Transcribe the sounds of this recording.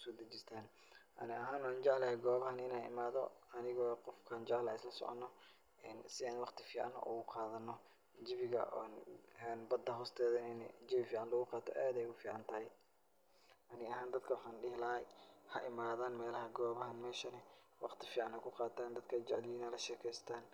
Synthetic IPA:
ʊsɔːd̪ɐt͡ʃɪst̪ʰaːn | ʔɐ̰nɪɐɦaːnwaːnt͡ʃɛʕlɐɛɡɔːβɐhɐnɪnaɪ̰maːðɔ̰ɐnɪɣɔːqɔfkʰaːnd͡ʒɛʕlɐːɪslɐsɔ̰ʕɔ̰nːɔ | ɪnsɪaːnwɑqt̪ʰɪfiːʕɑ̰n̰ʔʊ̰ɣʊqʰɑːðɐnːɔ | d͡ʒɪβɪɣɐ̰nɛnbɐd̪ːɐɦɔːst̪ʰɛːðɐnd͡ʒɪβɪfiːʕɑnlɐɣʊqɑːt̪ʰɔ̰ʔɛːd̪ɛjʊfiːʕɑnt̪ʰɐhɛj | ʔɐnɪɐɦaːnd̪ɐd̪kʰɐwħaːnɗɪhlɐɐjhɐʔɪmaːðaːnmɛːlɐɦɐɡɔːβɐɦɐnmɛːʃɐnɐwɑqt̪ʰɪfiːʕanɛkʰʊqɑːt̪ʰaːnd̪ɐd̪kʰɐd͡ʒɛʕlɪiːnɐlɐʃɛːkʰɛːjst̪ʰaːn

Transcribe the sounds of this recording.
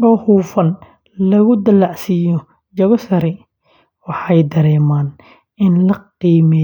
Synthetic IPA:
ʔɔːhuːfɐn | lɐɣʊd̪ɐlːaʕsiːjɔ | d͡ʒɐɣɔsɐɾɛ | wɑħɑjd̪ɐɾɛːmaːn | ʔɪnlɐqiːmɛ

